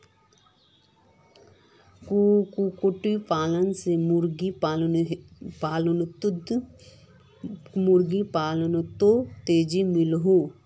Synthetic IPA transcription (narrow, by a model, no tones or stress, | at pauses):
kukukoʈipaːlənsemuɾɡi | paːlənt̪d̪ | mʊɾɡipaːlənt̪ot̪eːd͡ʒimɪlɦo